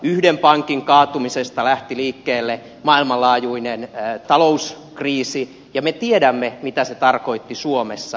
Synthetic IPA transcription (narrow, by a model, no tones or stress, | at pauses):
yhdempɑŋkiŋkɑːt̪umisest̪ɑlæht̪iliːkːeːlːe | mɑilmɑlɑːjuinent̪ɑlous | kriːsi | jɑmet̪iedæmːemit̪æset̪ɑrko̞it̪ːisuomesːɑ